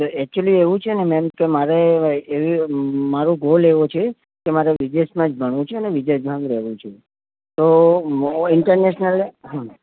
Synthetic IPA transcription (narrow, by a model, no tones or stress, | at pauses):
t̪oɛk̚t͡ʃuəlieʋũt͡ʃʰenemɛmkemaɾeeʋimaɾũɡoleʋot͡ʃʰe | kemaɾeʋid͡ʒesmãd͡ʒbʱəɳ̃ʋũt͡ʃʰeəneʋid͡ʒesmãd͡ʒɾɛʋũt͡ʃʰe | t̪o | ɪɳʈəɾneʃnəleɦũn